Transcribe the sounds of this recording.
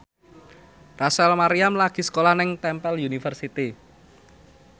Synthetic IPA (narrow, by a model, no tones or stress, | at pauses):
rasɛlmaɾiamlaɡ̥i̤sə̥kolahnɪŋt̪ɛmpɛljunifərsit̪i